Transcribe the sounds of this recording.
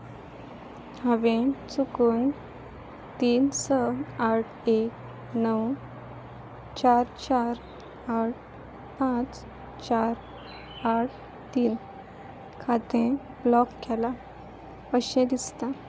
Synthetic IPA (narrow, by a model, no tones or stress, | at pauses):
haʋẽt͡sukuːn | t̪iːnsəaʈʰek̚ | nəw | t͡ɕaɾt͡ɕaɾ | aʈ̚ʰ | pãt͡s | t͡ɕaɾ | aʈʰ | t̪iːn | kʰat̪ẽ | blɔkːɛla | pəɕẽd̪ist̪a